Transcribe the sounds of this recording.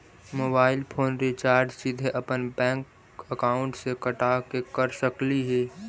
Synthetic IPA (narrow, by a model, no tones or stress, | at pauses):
moːbaːɪlpʰoːnɾit͡ʃaːɾd͡ʒsɪd̪ʱeʔɐpənbɛ̃ːŋk | əkaːʊ̃ɳʈsekəʈaːkekəɾsəkliɦɛː